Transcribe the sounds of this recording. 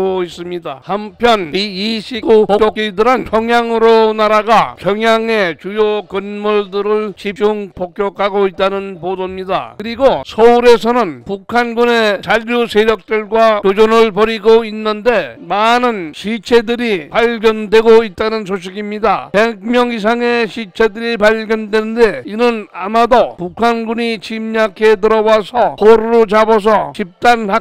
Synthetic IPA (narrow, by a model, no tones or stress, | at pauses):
ois͈ɯmɲida̰hampʰjʌniiɕʰikupokjok͈idɯɾɯnpʰjʌŋɦjaŋɯɾonaɾaɡakjʌŋjaŋe̞t͡ɕujokɯnmuɭdɯɾɯɭt͡ɕip̚t͡ɕ͈uŋpok͈̚jʌkʰaɡoit̚t͈anɯnpodomɲida̰kɯɾiɡosʰʌuɾe̞sʰʌnɯnpukʰanɡune̞t͡ɕaʎːusʰe̞ɾjʌk̚t͈ɯɭɡwakjod͡ʑonɯɭpʌɾiɡoinːɯnde̞manɯnɕʰit͡ɕʰe̞dɯɾipaɭɡjʌndwe̞ɡoit̚t͈anɯns̬ʰoɕ̬ʰiɡimɲidape̞ɡ̚mjʌŋis̬ʰaŋe̞ɕʰit͡ɕʰe̞dɯɾipaɭɡjʌndwenɯnde̞inɯnamadopukʰanɡuɲit͡ɕimɲakʰe̞tɯɾʌwasʰʌkoɾɯɾot͡ɕabʌs̬ʰʌt͡ɕip̚t͈anhak